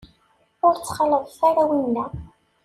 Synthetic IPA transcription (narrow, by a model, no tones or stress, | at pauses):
ʊɾt͡sːχələðˤθaɾæwinːæ